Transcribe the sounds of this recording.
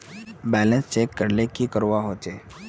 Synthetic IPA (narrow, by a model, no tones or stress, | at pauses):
bɛːlə̃nst͡ʃeːkːəɾnekikəɾwaɦoːt͡ʃeː